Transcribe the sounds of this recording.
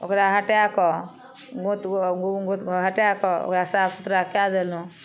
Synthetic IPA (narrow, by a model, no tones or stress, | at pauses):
o̰kɾaɦəʈjakɔ | ɡot̪ɡot̪ɦəʈjakɔo̰kɾasabkut̪ɾakad̪elũ